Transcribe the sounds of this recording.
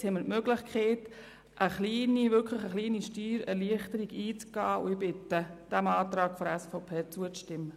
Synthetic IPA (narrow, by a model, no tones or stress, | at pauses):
hɛmːətmøɡlɪχkʰχeːt | ʔəχliːniʋʏɾkʰləχəχliːniʃtyːɾɛ̰ɾliəχtəɾiɡiːt͡sɡ̥ɑːʊ̰ɪbɪtəd̥æmɑːt̪ɾɑːɡ̥fɔɾæsfɔʊpʰeːt͡suət͡sʃtɪmːə